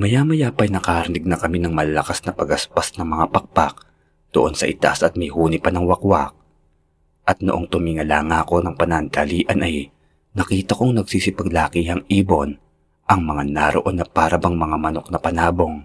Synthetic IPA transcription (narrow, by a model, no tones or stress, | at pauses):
mɐjamɐjapɐjnɐkaːhɐɾnɪɡ̚nɐkɐminɐŋmɐlɐlɐkasnɐpɐɡɐspasnɐŋmɐŋapɐk̚pak̚ | d̪̥oʔo̞nsɐʔɪt̪a̰sʔɐt̪̚mɐjhuːnɪpɐnɐŋwɐkwak̚ | ʔɐt̪̚noʔoŋt̪ʊmiːŋɐlaːŋako̞nɐŋpɐnɐnd̪aliːʔɐnʔɐj | nɐkiːt̪ɐko̞ŋnɐɡsiːsipɐɡlaːkiɦɐŋiːbo̞n | ʔɐŋmɐŋanaɾoʔo̞nːɐpaːɾɐbɐŋmɐŋamɐno̞k̚nɐpɐnaːbo̞ŋ